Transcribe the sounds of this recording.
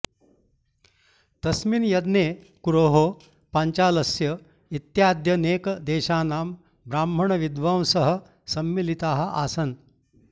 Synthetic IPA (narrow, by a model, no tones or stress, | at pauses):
t̪ɐsminjɐd̪ne | kuɾoːɦo | paɲt͡ɕaːlɐsjɐ | it̪jaːd̪jɐneːkd̪eːɕaːnaːm | bɾaːmb̤ʱɐɳɐʋid̪ʋaw̃sɐɦə̆ | sɐmːilit̪aːɦɐʔa̰ːsɐn